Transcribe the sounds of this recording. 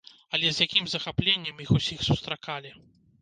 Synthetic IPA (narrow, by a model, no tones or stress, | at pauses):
ɐlʲɛzʲjakʲimzɐxaplʲenʲːɛmjixusʲixsust̪ɾakalʲi